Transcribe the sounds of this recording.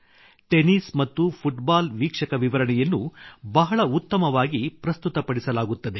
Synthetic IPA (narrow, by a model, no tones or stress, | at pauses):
ʈeniːsmɐt̪ːupʰuʈbaːlʋiːkʂɐkɐʋiʋɐɾɐɳɛjɐnːubɐɦɐɭɐut̪ːɐmɐʋaːɡipɾɐst̪ut̪ɐpɐɽisɐlaːɡut̪ːɐd̪e̞